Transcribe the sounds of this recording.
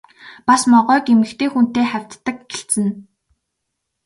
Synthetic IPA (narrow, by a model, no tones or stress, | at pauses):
pasmɔʁœːkemɘ̆xt̪ʰeːxun̥t̪eːχæw̥ʲt̪ːə̆kɡeɬt͡sɘ̆n